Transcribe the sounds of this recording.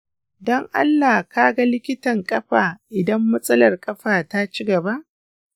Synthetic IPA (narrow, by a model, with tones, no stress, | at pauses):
dɔ˦ŋʔa̰˦lːaː˨kaː˦ɡa˦lɪ˦kʲɪ˦tɐ˨ŋkʼɐ˦ɸaː˨ʔɪ˨dɐ˦mːɐ˦sʼɐ˦lɐ˨rkʼɐ˦ɸaː˨ta˦t͡ʃɪ˦ɡɐ˨ba˦ʔ